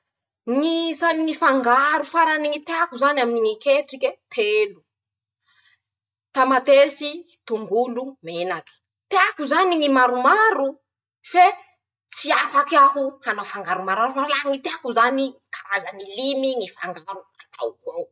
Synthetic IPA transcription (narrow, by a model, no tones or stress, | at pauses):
ŋizaniŋifaŋɡaɾufaɾaniŋit̪eakuzanaminiŋikeʈ͡ʂiket̪ʰelu | t̪amat̪esi | t̪uŋɡulumenaki̥ | t̪eakuzaniŋimaɾumaɾu | fe | t͡siafakaɦuhanafaŋɡaɾumaɾaɾufaalaŋit̪eakuzanikʰaɾazanilimiŋifa̰ŋɡaɾua̰t̪ʰa̰wko